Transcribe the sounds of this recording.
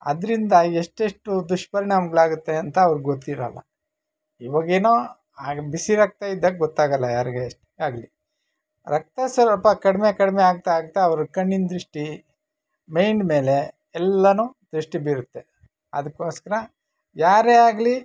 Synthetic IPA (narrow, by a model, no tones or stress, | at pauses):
ɐ̰d̪ɾind̪ɐeʂʈeʂʈud̪uʂpɐɾinamɡɐɭaːɡut̪ːe̞ɐnt̪ɐːʋɐɾɡot̪ːiɾɐ̰lːɐ̰ | iʋɐɡeːnoː | aːɡbisiɾɐk̚t̪aid̪ːɐk̚ɡɔt̪ːaːɡɐlːɐjaːɾiɡeːʂʈ | aːɡli | ɾɐk̚t̪ɐsɐɾɐpːɐkɐɽmekɐɽmeaːɡ̚t̪aaːɡut̪ːeɐʋɐɾukɐɳːind̪ɾiʂʈi | mɐjɳɖme̞ːle̞ | ɛlːɐnud̪ɾiʂʈibiːɾut̪ːe̞ | ɐ̰d̪ɐkːoːskɐɾɐ | jaːɾeːaːɡli